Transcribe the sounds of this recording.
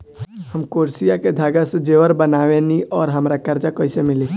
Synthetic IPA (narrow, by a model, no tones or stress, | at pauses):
həmkoɾsijaked̪ʱaɡəsəd͡ʒeʋəɾbənaʋeniʔɔːɾɦəmɾakəɾd͡ʒakəjsemili